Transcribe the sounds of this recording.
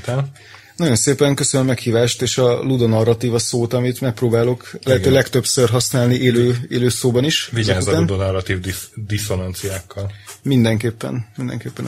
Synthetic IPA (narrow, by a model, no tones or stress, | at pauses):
t̪ɛl | nɒjo̞nseːpɛŋkø̞sønømːɛkhiːvaːʃt̪eːʃɒlud̪onɒrːɒt̪iːvɒsoːt̪ɒmit̪mɛk̚proːbaːlo̞klɛɦɛøːlɛkt̪øpsørɦɒsnaːlniʔeːløːeːløːsoːbɒniʃviɟaːzːund̪onɔrɒt̪iːvd̪id̪iso̞nɑnt̪sijaːkʰːɒlmind̪ɛŋkeːpːɛ̰nmind̪ɛ̰ŋkeːpːɛn